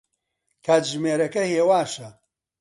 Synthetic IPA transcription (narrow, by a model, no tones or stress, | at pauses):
kʰaːt͡ʃʒmeːɾɐkɐheːwaːʃɐ